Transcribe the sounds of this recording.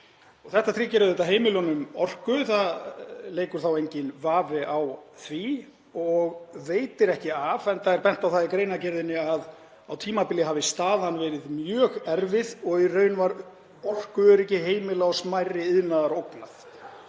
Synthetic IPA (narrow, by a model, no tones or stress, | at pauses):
ɔɣθɛht̪at̪ʰɾiːcɛɾʏðejt̪aɦeːjmɪlɔnʏmɔr̥kʏθaleːjkʏɾ̥θawejɲcɪnvaːvɪʔawθvi | ɔɣveːjt̪ɪɾɛhcɪavɛnt̪aɛɾpɛn̥t̪awθaðikɾeːjnacɪɾðɪnːɪað | awt̪ʰiːmapɪljɪɦavɪst̪aːðanvɛːɾɪðmjœːɣɛɾvɪðɔɣirœːɥnvaɾ | ɔr̥kʏɛɾɛhcɪɦeːjmɪlaɔsmajrɪɪðnaðaɾowkna̰θ